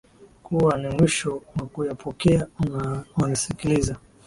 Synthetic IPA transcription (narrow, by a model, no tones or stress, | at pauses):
kuwanimwiʃɔwakujapʰɔkɛa | wanisikiliza